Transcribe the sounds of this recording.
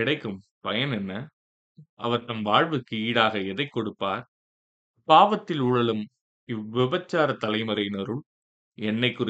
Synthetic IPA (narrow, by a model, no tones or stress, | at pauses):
ɪɽɐɪkːɯm | pɐjɐnɛnːɐ | ʔɐ̰ʋɐɾt̪ɐnʋaːɻʋɯkːɯiːɽaːɣɐɛðɐɪkːɔɽɯpːaːɾ | paːʋɐt̪ːɪlʊɻɐlɯm | ɪʋɪbɐt͡ʃːaːɾɐt̪ːɐlɐɪmɐɾɐɪnɐɾɯɭ | ɛnːɐɪkːʊr